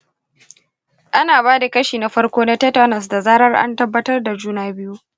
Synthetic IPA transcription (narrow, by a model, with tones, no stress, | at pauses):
ʔa˦naː˨βaː˦da˨kɐ˦ʃiː˨na˦ɸɐ˦rkʷoː˦na˦tɛ˦ta˦nɐ˨s̬da˨zaː˦ɾɐ˦rʔa̰˦ntɐ˦bːɐ˦tɐ˦rda˨d͡ʒuː˦naː˦bɪ˦ju˦